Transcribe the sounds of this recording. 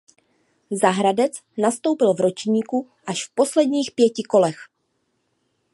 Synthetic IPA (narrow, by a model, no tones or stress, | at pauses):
zaɦɾadɛt͡s | nast̪o̞wpɪlvɾo̞t͡ʃɲiːku | ʔaʃfpo̞slɛdɲiːxpjɛcɪko̞lɛx